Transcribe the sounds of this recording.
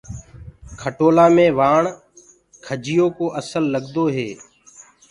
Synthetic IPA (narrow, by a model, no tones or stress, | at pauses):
kʰəʈoːlaːmẽːʋaːɳ | kʰəd͡ʒɪjoːkoːʔəsəlːəɡd̪oːɦeː